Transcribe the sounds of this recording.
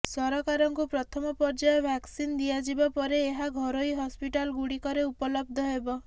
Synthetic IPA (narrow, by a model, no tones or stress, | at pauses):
sɔɾɔkaɾɔŋkupɾɔt̪ʰɔmɔpɔɾd͡ʒajɔbʱaksind̪iad͡ʒibapɔɾeːɦaɡʱɔɾoiɦɔspiʈalɡuɽikɔɾeupɔlɔb̚d̪ʱɔɦebɔ